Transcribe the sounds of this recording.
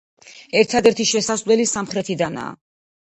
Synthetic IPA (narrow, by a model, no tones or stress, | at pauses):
ɛɾt̪ʰad̪ɛɾt̪ʰiʃɛsasvlɛlisamχɾɛt̪ʰid̪ana̰ː